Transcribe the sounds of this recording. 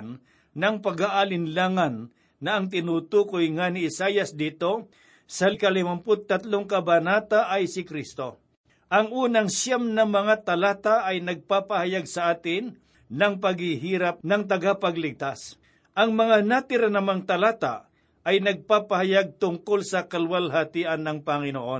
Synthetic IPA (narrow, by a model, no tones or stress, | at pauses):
n | nɐŋpɐɡaʔalɪnlaːŋɐnː | ɐɐŋt̪̬ɪnuːt̪uːkojŋanɪɪsajɐsd̪iːt̪o̞ | sɐlɪkɐlɪmampʊt̪̚t̪ːɐt̪loŋkɐbɐnaːt̪aʔɐjsɪkɾist̪o̞ | ʔɐŋʔuːnɐŋʃjamnɐmɐŋat̪ɐlaːt̪aʔɐjnɐɡ̚paːpɐhɐjaɡ̚sɐʔaːt̪ɪn | nɐŋpɐɡhiɦiːɾɐp̚nɐŋt̪̬ɐɡapɐɡlɪɡ̚t̪as | ʔɐŋmɐŋanat̪ɪɾanɐmaŋt̪ɐlaːt̪a̰ | ɐjnɐɡ̚paːpɐhɐjaɡ̚t̪ʊŋkolsɐkɐlwalɦat̪iːʔɐnːɐŋpɐŋɪnoʔon